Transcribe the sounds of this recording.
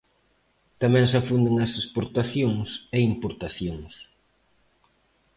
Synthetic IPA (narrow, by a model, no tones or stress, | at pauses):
t̪amɛ̃ŋsafund̪eŋɐsespoɾt̪aθjoŋseimpoɾt̪aθjoŋs